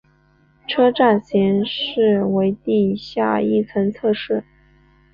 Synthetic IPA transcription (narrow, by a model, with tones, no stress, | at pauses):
ʈ͡ʂʰɤ˥ʈ͡ʂa˥˩nɕjɛ˧˥nʂɻ̩˥˩we˧˥ɪt̪i˥˧ɕja˥˧i˥˩t͡sʰə˧˥nt͡sʰɤ˥˧ʂɻ̩˥˩